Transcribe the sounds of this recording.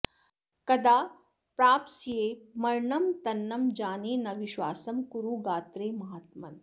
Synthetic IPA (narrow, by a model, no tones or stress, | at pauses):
kɐd̪aː | pɾaːpsijeːmɐɾɳɐmt̪ɐnːɐmd͡ʒaːneːnɐʋiʃʋaːsɐmkuɾuːɡaːt̪ɾeːmɐɦaːt̪mɐn